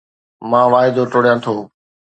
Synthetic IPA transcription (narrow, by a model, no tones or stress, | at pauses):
mãːʋaːɪd̪oʈoːɽijãːt̪ʰoː